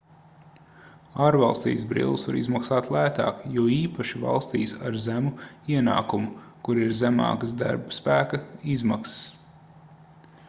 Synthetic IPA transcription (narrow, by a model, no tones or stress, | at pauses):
aːɾvɑlˠst̪ḭːzbɾḭlˠsva̰ɾḭzmaksaːt̪lˠæːt̪a̰ːkjuɔiːpɐʃiva̰lˠst̪iːsa̰ɾzæmuiɛna̰ːkumu | kuɾiɾzæmɑ̰ːkasd̪a̰ɾbspæːkɐizmakss